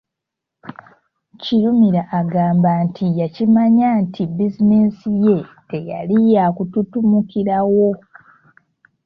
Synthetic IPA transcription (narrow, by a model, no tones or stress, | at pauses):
ciɾumiɾaʔːɡaːmbaːntʰijacimaɲaːntʰibizineːsije̞teja̰lijakututumukiɾawo̞